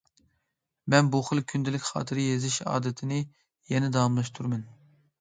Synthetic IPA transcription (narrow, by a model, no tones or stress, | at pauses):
mɛnbuχəlˠkʲʰynd̪ɪlɪkʲχɑ̰ːt̪ʰɨɾɪjezɪʃɑ̰ːd̪ɨt̪ʰɪnɪ | jɛnɛd̪ɑɑmlˠɑʃt̪ʰuɾmɨn